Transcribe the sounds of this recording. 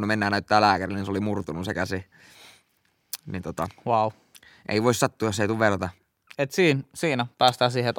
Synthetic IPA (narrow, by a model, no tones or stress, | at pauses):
nːumenːæːnnæyt̪ːæːlæːkærilninseolimurt̪unusekæsi | nit̪ot̪ɑwɑu | ʔḛiʋoˑissɑt̪ːuːjosːeit̪uʋerɑt̪ɑ | et̪siːnsiːnæpæːst̪ɑːsiːheet̪